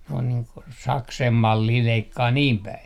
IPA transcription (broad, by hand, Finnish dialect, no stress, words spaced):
ne on niː ko sɑksem mɑlːiː leikːɑː niːm pæi